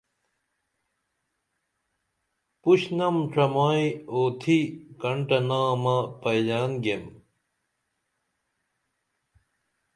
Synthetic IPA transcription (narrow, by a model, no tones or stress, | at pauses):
puɕnɐmʈ͡ʂʰɐmaːjoːt̪ʰikɐɳʈɐnaːmɐpɐjd͡ʑaːnɡem